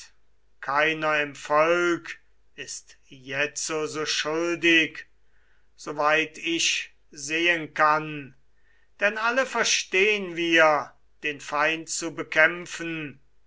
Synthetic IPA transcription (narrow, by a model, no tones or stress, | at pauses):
kʰaɪnɐɪmfɔlk | ɪstjɛt͡sozoːʃʊldɪk | z̥ovaɪtɪʃ | zeːənkan | d̥ɛnaləfɛɐʃteːənviːɐ | d̥eːnfaɪntt͡subəkʰɛmfən̩